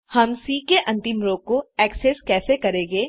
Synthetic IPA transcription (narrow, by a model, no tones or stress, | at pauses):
hɐmsiːkeʔɐ̃nt̪ɪmɾoːɡ̚koɛːkseskɛːsekɐɾẽːŋɡeː